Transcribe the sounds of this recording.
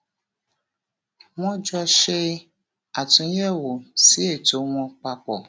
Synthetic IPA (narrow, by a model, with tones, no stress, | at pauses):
mɔ̃˦d͡ʒu˦a˦ʃe˦ | a˨tũ˨˦jɛ˦wo˨si˦e˨to˨˦wɔ̃˦k͡pa˦k͡pɔ˨